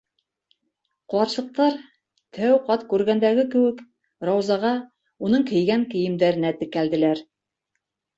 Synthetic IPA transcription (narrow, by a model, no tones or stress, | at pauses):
qŏlˠɑɾʃˠɤ̆q̚t̪ɑɾ | t̪ʰæwqɑt̪kʉɾɡænd̪æɡɘkɘ̆wɘk | ɾɑwzɑʁɑ | unɤɴkɘ̆jɡæŋkɘ̆jɘ̆md̪æɾɘ̆næt̪ɘ̆kæld̪ɘ̆læɾ